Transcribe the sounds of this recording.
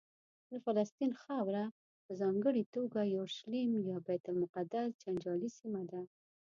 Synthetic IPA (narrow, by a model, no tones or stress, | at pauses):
d̪əfalast̪inxawɾa | pəzɑŋɡəɽit̪oɡajoʃlimjɑbɛt̪almʊqad̪asd͡ʒand͡ʒɑlisimad̪a